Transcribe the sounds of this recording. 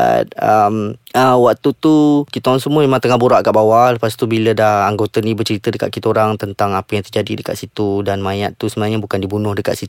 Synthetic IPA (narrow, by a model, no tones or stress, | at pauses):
a̰t̪̚əməwak̚t̪ut̪ukit̪oɾaŋsəmuəmemaŋt̪əŋahbuɾaʔkaʔbawaləpast̪ubilədahaŋɡot̪ənibət͡ʃəɾit̪ədəka̰ʔ̪̚kit̪oɾaŋt̪ənt̪aŋapəjaŋt̪ərd͡ʒadidəka̰ʔ̪̚sit̪udanmãjat̪t̪ːusəmənaŋɲabukandibunʊhdəka̰ʔ̪sit̪u